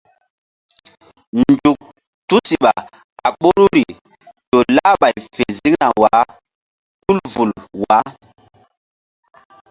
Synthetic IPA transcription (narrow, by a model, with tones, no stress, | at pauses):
nd͡ʒu˨k̚ | tu˦si˨ɓa˨ | a˨ɓo˦ɾu˦ɾi˨ | jo˨la˦ɓa˨jfe˨zi˦kna˨wa˨˦ | ku˦lvu˨lwa˨˦